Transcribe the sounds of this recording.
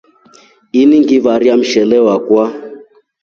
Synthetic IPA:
iniŋɡiβaɾjam̩ʃɛlɛwakwa

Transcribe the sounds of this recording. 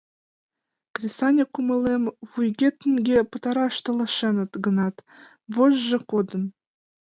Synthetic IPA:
krʲisɑnʲekːumɤ̆lʲemvujɡʲet̪ɘ̆nɡʲepɤ̆t̪ɑɾɑʃt̪ɤ̆lˠɤ̆ʃenɤ̆t̪ɡɤ̆nɑt̪ | voʒʒɘ̆kod̪ɤ̆n

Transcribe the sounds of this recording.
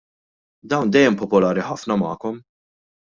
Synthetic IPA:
d̪ɐwnd̪ɛjːɛmpɔpɔlɐːɾiħɐfnɐmɐ̰ːkɔm

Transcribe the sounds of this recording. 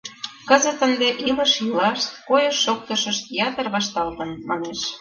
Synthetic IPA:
kə̆zə̆t̪ə̆nd̪eʔilə̆ʃjilɑʃt̪̚kojəʃːok̚t̪ə̆ʃə̆ʃt̪jɑt̪ərβɑʃt̪ɑlt̪ə̆nmɑneʃ

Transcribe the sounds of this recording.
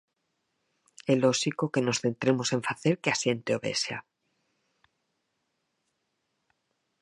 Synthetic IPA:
elosikoke̞no̞sθe̞nt̪ɾe̞mo̞sẽ̞ɱfaθe̞ɾkeasje̞nt̪eo̞βe̞̰sja̰

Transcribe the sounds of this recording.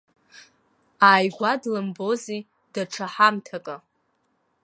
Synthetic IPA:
aːjɡʷadlɨmbo̞zi | d̥aʈ͡ʂʰaħamtʰakʼa

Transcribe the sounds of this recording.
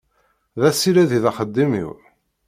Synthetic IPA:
ðæsiɾæðiðɑχəd̪ːimḭw

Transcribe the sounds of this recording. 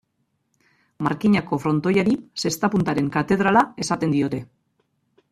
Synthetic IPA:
maɾkiɲako̞fɾo̞nt̪o̞jaɾise̞st̪apunt̪aɾe̞ŋkat̪e̞ð̞ɾalae̞sat̪e̞nd̪io̞t̪e̞

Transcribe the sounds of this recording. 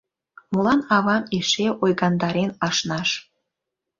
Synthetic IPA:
molɑnɑβɑmeʃeʔojɣɑnd̪ɑɾenɑʃnɑʃ

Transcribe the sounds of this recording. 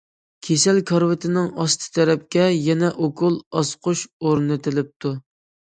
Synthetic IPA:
kʲʰesælkʰɑɾwɪt̪ʰɪnɪŋɑst̪ʰɨ̥t̪ʰɛɾɛp̚kʲɛjɛnɛʔokʰʊlˠɑsqʰʊʃoɾnɨt̪ʰɪlɪp̚t̪ʰu

